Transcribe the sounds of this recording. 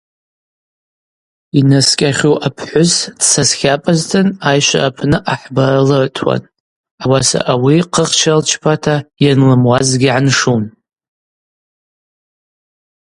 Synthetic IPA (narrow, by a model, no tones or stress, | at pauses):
inaskʲʼaχʲowʔapʰħʷʊsd̥sasχʲapʼaztʰɨnajʃʷa̰ʔapʰnɨʔaħbaralɨʕtʰwa̰n | awasa̰ʔawiqʰəχt͡ʃʰalt͡ʃʰpʰatʰajanlɨmwazɡʲiʕanʂun